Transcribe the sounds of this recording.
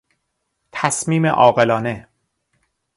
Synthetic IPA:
t̪ʰæsmiːmḛʔɒːɣe̞lɒːne̞

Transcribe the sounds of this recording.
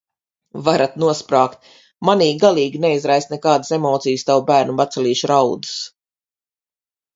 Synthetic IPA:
vaɾat̪nuɔspɾaːkt̪̚ | maniːɡalˠiːɡinɛizɾajst̪nɛkaːd̪ɨsemɔːt̪sijst̪awbæːɾnubat̪sɛlʲiːʃɾawd̪u̥s

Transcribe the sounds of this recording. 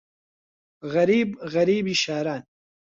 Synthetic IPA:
ɣɐɾibɣɐɾibiʃaːɾaːn

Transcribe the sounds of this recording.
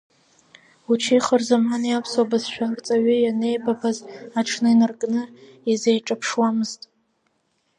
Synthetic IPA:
ut͡ʃʰijχərzamanijapʰswabazʃʷᶣart͡sʼaɥijane̞jbapʰazaʈ͡ʂʰnɨinɨrkʼnɨ | izejʈ͡ʂʼapʰʂwamɨztʼ

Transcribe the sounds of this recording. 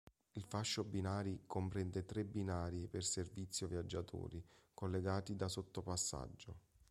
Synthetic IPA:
ilfaʃːobinaːɾikompɾɛnd̪ɛt̪ɾebːinaːɾiperservit̪sːjovjad͡ʒːat̪ʰṵːɾikolːeɡaːt̪id̪asot̪ːopasːa̰d͡ʒːo

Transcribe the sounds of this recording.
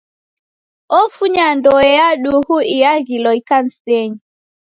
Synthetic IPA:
ɔfuɲandɔɛjaɗuhuijaɡilɔjkansteɲ

